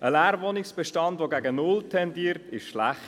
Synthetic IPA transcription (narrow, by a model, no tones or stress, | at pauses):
əlæːɾvonɪksb̥ɛʃtɑndʋoɡæɡənʊltʰɛndiːɾtɪʃʃlæχt